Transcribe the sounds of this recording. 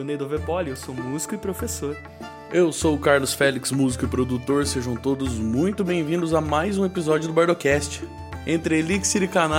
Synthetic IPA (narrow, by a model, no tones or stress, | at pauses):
nejd̪ovepɔliewsomuzi̥kʊɪpɾofesoɾ | ewsowkaɾlʊsfɛliksmuzikʊɪpɾod̪ut̪oɾseʒɐ̃w̃t̪od̪ʊzmũj̃t̪ʊbẽj̃vĩnd̪ʊzɐmajzũepizɔd͡ʒjʊd̪ʊbaɾd̪okɛst͡ʃɪ̥ | ẽnt̪ɾɪeliksiɾikana